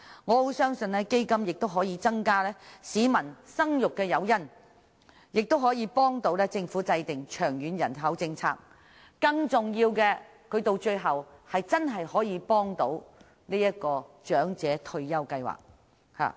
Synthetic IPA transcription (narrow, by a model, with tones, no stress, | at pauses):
ŋɔː˨˧ho˨˥wsœː˥ŋsɵ˧nlɛː˥ke˥jkɐ˥mjɪ˨k̚t̪o˥wɦɔː˨˥jiː˨˧t͡sɐ˥ŋkaː˥lɛː˥siː˨˥mɐ˨˩nsɐ˥ŋjʊ˨kːɛː˧jɐ˨˧wjɐ˥n | jɪ˨k̚t̪o˥wɦɔː˨˥jiː˨˧pɔː˥ŋt̪o˨˧˥wlɛː˥t͡sɪ˧ŋfuː˨˥t͡sɐ˧jt̪ɪ˨ŋt͡ʃʰœː˨˩ŋjyː˨˧njɐ̰˨˩nɦɐ˨˥wt͡sɪ˧ŋt͡sʰa̰ː˧k̚ | kɐ˧ŋt͡sʊ˨ŋjiː˧wkɛː˧ | kʰɵ˨˧ɥt̪o˧wt͡ʃɵ˧ɥɦɐ˨whɐ˨jt͡sɐ˥nɦɐ˨jhɔː˨˥jiː˨˧pɔː˥ŋt̪o˨˥w | niː˥jɐ˥t̚kɔː˧t͡ʃœː˨˥ŋt͡sɛː˨˥t̪ʰɵ˧ɥjɐ˥wkɐ˧jwa̰ː˨k̚ | ha̰ː˨